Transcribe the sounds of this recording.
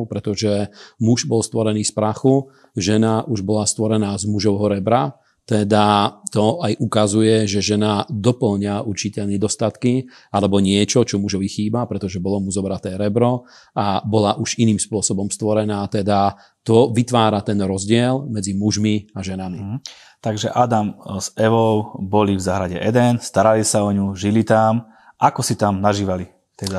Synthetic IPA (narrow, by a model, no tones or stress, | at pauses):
pɾɛt̪ɔʒɛmuʒbɔlst̪ʋɔɾɛniːspɾaxu | ʒɛnaʔuʒbɔlast̪ʋɔɾɛnaːzmuʒɔʊɦɔɾɛbɾa | t̪ɛd̪at̪ɔajʔukazujɛʒɛʒɛnad̪ɔpl̩ɲauɾt͡ʃicɛʎɲɛd̪ɔst̪at̪ki | alɛbɔɲɪɛt͡ʃɔt͡ʃɔmuʒɔʋixiːbapɾɛt̪ɔʒɛbɔlɔmuzɔbɾat̪ɛːɾɛbɾɔ | abɔlaʔuʒiniːmspʊɔsɔbɔmst̪ʋɔɾɛnaːt̪ɛd̪a | t̪ɔʋit̪ʋaːɾat̪ɛnɾɔzɟɪɛlmɛd͡zimuʒmiaʒɛnami | t̪aɡʒɛʔad̪amz̥ɛʋɔʊbɔlivzaɦɾaɟɛʔɛd̪ɛnst̪aɾalisaɔɲuʒilit̪am | ʔakɔsit̪amnaʒiːʋali | t̪ɛd̪a